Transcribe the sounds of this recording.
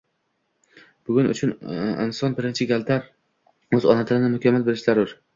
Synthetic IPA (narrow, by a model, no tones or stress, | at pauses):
b̥ʊɡʲʊnʊ̰t͡ʃʰʊnɪ̰nsɒnbɪɾɪnt͡ʃʰɪɡʲalt̪ʰaɾ | ɵzɒnat̪ʰɪnɪnɪmʊkʲʰamːalbɪlɪʃlaɾʊɾ